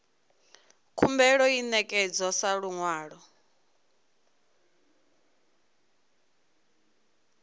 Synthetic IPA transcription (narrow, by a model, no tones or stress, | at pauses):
kʰumbɛɺɔinɛkʼɛd͡zɔsaɺuŋwaːɺɔ